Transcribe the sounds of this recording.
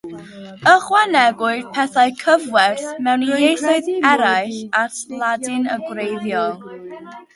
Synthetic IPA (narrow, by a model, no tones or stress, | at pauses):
əχwanɛɡwʊɨðpʰɛθaɨkʰəvwɛrθmɛwnijejθʊɨðɛɾajɬatʰlˠadɪnəɡwrejðjɔlˠ